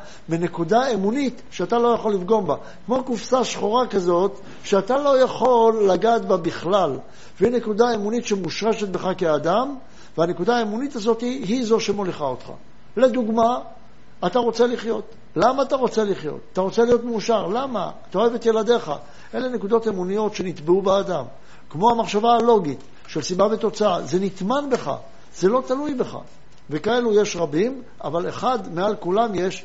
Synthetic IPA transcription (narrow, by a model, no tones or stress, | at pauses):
mine̞kud̪aemunit̪ʃeat̪alo̞jaχo̞lːifɡo̞mba | kmo̞kufsaʃχoʁakazo̞t̪ | ʃeat̪alo̞jaχo̞lːaɡaːt̪babiχlal | veine̞kud̪aemunit̪ʃemuʃʁeʃet̪̚be̞χakead̪am | veane̞kud̪aːemunit̪azo̞t̪iɦizo̞ʃemo̞liχaot̪χa̰ | le̞d̪uɡmaː | t̪aʁo̞t͡se̞liχjo̞t̪ | lamaːt̪aʁo̞t͡se̞liχjo̞̰t̪ataʁo̞t͡se̞lijo̞t̪meuʃaʁlama̰ːt̪ao̞evet̪je̞lad̪e̞χa̰ | ʔe̞le̞ne̞kud̪o̞t̪emunijo̞tʃe̞nit̪beubead̪am | kmo̞amaχʃavaːlo̞ɡit̪ | ʃe̞lsibavet̪o̞t͡saaze̞nit̪manbe̞χa̰ | z̥e̞lo̞t̪alujbe̞χa̰ | ve̞kae̞luje̞ʃʁabim | a̰valḛχad̪mealkulamje̞ʃ